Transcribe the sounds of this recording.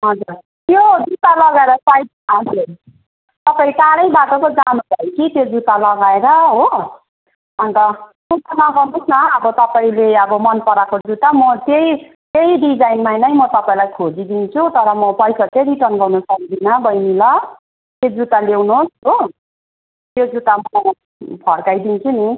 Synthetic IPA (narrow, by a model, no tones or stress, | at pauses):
ɦʌd͡zur | t̪jod͡zut̪alʌɡaeɾʌsaj | ɦʌd͡zur | t̪ʌpaĩʈalʌjbaʈʌkod͡zanubʱʌjkit̪jod͡zut̪alʌɡaeɾʌɦo | ʌnt̪ʌd͡zut̪anʌɡʌrnusnʌːbʌt̪ʌpaĩleʌbʌmʌnpʌɾakod͡zut̪amʌt̪ej | t̪eiɖid͡zajnmajnʌjmʌt̪ʌpaĩlajkʰod͡zid̪int͡sʰut̪ʌɾʌmʌpʌjsakeɾiʈʌnɡʌrnosʌk̚d̪inʌbʌjmilʌ | t̪jod͡zut̪alewnuosɦo | t̪jod͡zut̪ama | pʰʌrkajd̪int͡sʰuni